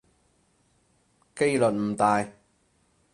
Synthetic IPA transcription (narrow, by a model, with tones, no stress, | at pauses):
ke˥jlɵ˨t̚m̩˨˩t̪aː˨˩j